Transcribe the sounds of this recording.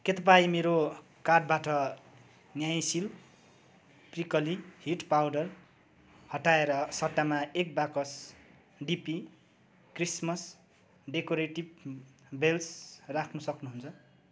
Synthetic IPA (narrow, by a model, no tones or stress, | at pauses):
ket̪ʌp̬aimeɾo | karʈ̚baʈʌ | njaj̃sil | prikʌlihiʈpawɖʌr | hʌʈaeɾʌsʌʈːamaek̚bakʌs | ɖipi | krismʌs | ɖekoɾeʈib | belsrakʰnusʌknuɦunt͡sʰʌ